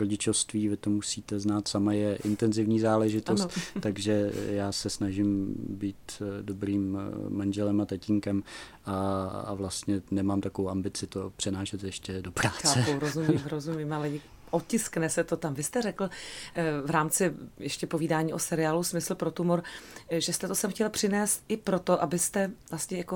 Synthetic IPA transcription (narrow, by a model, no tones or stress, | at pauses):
ɾoɟɪt͡ʃofst̪viːvɪt̪omusiːt̪ɛznaːt̪samajɛʔɪnt̪ɛnzɪvɲiːzaːlɛʒɪt̪ost̪t̪ːaɡʒɛjaːsɛsnaʒɪmbiːt̪dobɾiːmːanʒɛlɛmat̪acɪŋkɛmʔaa̰vlast̪ɲɛnɛmaːmt̪akovowambɪt͡sɪt̪opr̝̥ɛnaːʃɛt̪jɛʃcɛdopɾaːkat͡sːɛowɾozumimɾozumiːmalɛj | ʔot̪cɪsknɛsɛt̪o̞t̪amvɪst̪ɛrɛkl̩ | vɾaːmt͡sɪjɛʃcɛpo̞viːdaːɲiːʔo̞sɛɾɪaːlusmɪsl̩pɾo̞t̪umoɾʒɛst̪ɛt̪osɛmxcɛlpr̝̥ɪnɛːst̪ɪpɾo̞t̪o̞ʔabɪst̪ɛvlast̪ɲɛjako